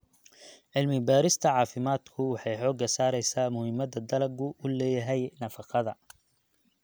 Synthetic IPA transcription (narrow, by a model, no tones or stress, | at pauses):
ʕɪlmɪbaːɾɪst̪ʰɐʕɑːfɪmaːd̪kʰʊwɑħɑjħɔːɡɐsaːɾɛjsaːmʊhɪmɐd̪ɐd̪ɐlɐɡʊʔʊlɛːjɐɦɛjnɐfɑqʰɑðɐ